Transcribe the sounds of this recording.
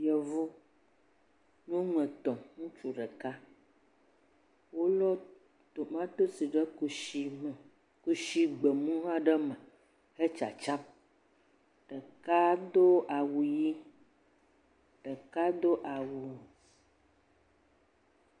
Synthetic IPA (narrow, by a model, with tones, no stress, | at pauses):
jə˨vo˦ | nũ˦ŋə̃˨t̪ɔ̃˨ŋũ˦t͡ʃu˨ɖə˨ka˦ | wo˦lɔ˦ | t̪o˨mã˦t̪o˦si˨ɖə˦˨i˨ | ku˦ʃi˦ɡ͡bə˨mũ˦ɦã˦ɖə˦mã˨ | ə˦t͡ʃa̰˨t͡ʃa˦m | ɖ̥ə˨ka˦d̪o˦a˨wu˨ji˦ | ɖ̥ə˨ka˦d̪o˦ʔa˨wu˨